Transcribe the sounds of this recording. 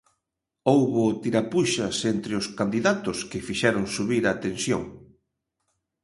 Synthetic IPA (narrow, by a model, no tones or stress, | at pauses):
owβʊt̪iɾapuʃɐsent̪ɾɪʊskand̪iðat̪ʊskɪfiʃɛɾʊŋsuβiɾaːt̪ensjo̰ŋ